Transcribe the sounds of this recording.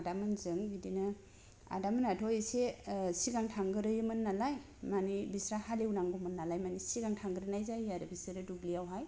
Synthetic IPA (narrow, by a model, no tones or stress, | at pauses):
adamɯnzɯŋbidinɯ | a̰damɯnatʰɔjsesiɡaŋtʰaŋɡɯɾɯjɯmɯnːalaj | manibisɾahalewnaŋɡumɯnːalajmanisiɡaŋtʰaŋɡɯɾɯnajzajaɾɯbisɯɾɯduɡliawɦaj